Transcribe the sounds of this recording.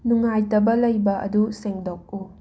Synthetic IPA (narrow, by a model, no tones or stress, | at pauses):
nuŋajtɐbɐlɐjbɐʔɐ̰duseŋdok̚u